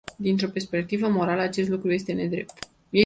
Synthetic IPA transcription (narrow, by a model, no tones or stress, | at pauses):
d̪int̪ɾo̞pe̞rspe̞kt̪ivəmo̞ɾaləat͡ʃe̞st̪lukɾuje̞st̪e̞ne̞d̪ɾe̞̰p̚t̪ | je